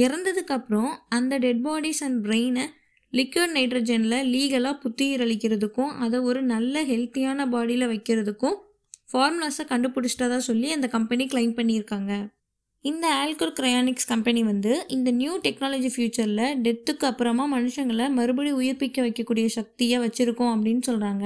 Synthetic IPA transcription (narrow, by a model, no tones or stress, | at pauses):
ɪɾɐnd̪ɐðɯkːɐpːɯɾɔ̃ɐnd̪ɐɖɛɖ̚baːɽisɐnɖbɾeɪn | lɪkːɐːɖnɐɪʈɾɐd͡ʒɛnlɐliːɣɐlaːpʊt̪ːɪjɪɾɐɭɪkːɪɾɐðɯkːʊ̃ʔɐðɐɔɾɯnɐlːɐɦɛlt̪ɪjaːnɐbaːɽilɐʋɐɪkːɪɾɐðɯkːʊ̃ | faːɾmlɐsakɐɳɖɯpʊɽɯt͡ʃːʈːɐðaːsɔlːiɐnd̪ɐkɐmpɐniklɐɪnpɐɳːiɪɾɯkːaːŋɡɐ | ɪnd̪ɐaːlkɯɾkɪɾɐjaːnɪkskɐmpɐniʋɐnd̪ɯɪnd̪ɐnjuːʈɛknaːlɐːd͡ʒifjuːt͡ʃɐɾlɐɖɛt̪ːɯkːɯɐpːɯɾɐmaːmɐnɯʂɐŋɡɐɭɐmɐɾɯbɐɽiʊjɪɾpɪkːɐʋɐɪkːɐkːuːɽɪjɐʃɐk̚t̪ɪjaːʋɐt͡ʃːɪɾɯkːʊ̃ɐpːɐɽɪnːɯsɔlɾaːŋɡɐ